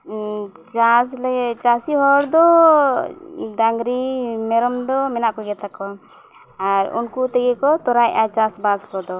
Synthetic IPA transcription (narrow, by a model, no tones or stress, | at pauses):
t͡ʃaslɛɡɛʔt͡ʃasiɦɔɾd̪ɔ | d̪aŋɡɾimɛɾɔmd̪ɔmɛnaʔkɔɡɛt̪akɔ | aɾṵnkut̪ɛɡɛkɔt̪ɔɾajʔat͡ʃasbaskɔd̪ɔ